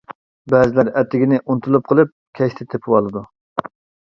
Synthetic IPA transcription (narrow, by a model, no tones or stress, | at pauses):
bɛːzɪlæɾɛt̪ʰːɪɡʲinɪʔunt̪ʰulˠup̚qʰəlˠɨp̚kʲʰɛʃt̪ʰɪt̪ʰepʰɪwɑlˠɨd̪u